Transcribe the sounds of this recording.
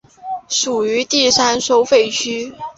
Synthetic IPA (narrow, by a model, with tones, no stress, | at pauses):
ʂu˨˩y˧˥t̪i˥˩sa˥nʂo˥ʊfe˥˩ɪt͡ɕʰy˥